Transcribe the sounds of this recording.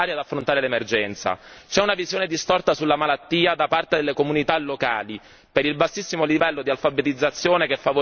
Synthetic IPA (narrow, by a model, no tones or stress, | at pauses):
aːɾjad̪afːɾont̪aːɾelemerd͡ʒɛnt̪sa̰t͡ʃɛunavizjoːned̪ist̪ɔrt̪asulːamalat̪ːiːad̪apart̪ed̪elːekomunit̪alːoka̰ːli | peɾilbasːisːimolivɛlːod̪ialfabet̪id̪zːat̪sːjoːnekefːavo